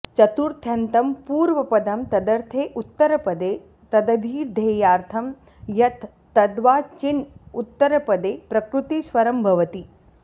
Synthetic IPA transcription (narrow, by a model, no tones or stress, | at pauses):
t͡ʃɐt̪uɾt̪ʰjɐnt̪ɐmpuːɾʋɐpɐd̪ɐmt̪ɐd̪ɐɾt̪ʰeːʔut̪ːɐɾɐpɐd̪eː | t̪ɐd̪ɐbʱiːɾd̪ʱeːjaːɾt̪ʰɐm | jɐt̪ʰːɐd̪ʋaːt͡ʃinut̪ːɐɾɐpɐd̪eːpɾɐkɾut̪isʋɐɾɐmbʱɐʋɐt̪i